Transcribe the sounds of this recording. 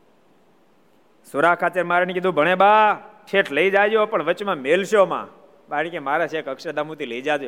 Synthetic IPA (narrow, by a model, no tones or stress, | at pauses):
sʊɾakʰːat͡ʃeɾmaɾanekid̪ʱũbʱəɽ̃ebaːʈʰeʈʰləid͡ʒad͡ʒjopəɳʋət͡ʃmãmelʃomã̰ː | baɽikemaːɾaʃekəkʃəd̪amũt̪iləid͡ʒad͡ʒ̪jo